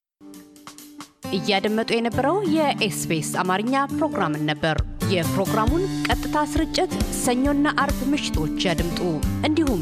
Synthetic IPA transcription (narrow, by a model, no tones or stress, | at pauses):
ʔɨjːɛad̪əmːət̪ʼujɛnəbːəɾəwjɛʔesbesamaɾɨɲːapɾo̞ɡɾamɨnːəbːəɾjɛpɾo̞ɡɾamunkʼət̪ʼːɨt̪ʰasɨɾɨt͡ʃʼːɪt̪səɲːo̞nːaʔaɾbmɨʃɪ̥t̪ʰo̞t͡ʃːjad̪ɨmt̪ʼuʔɨnd̪ihum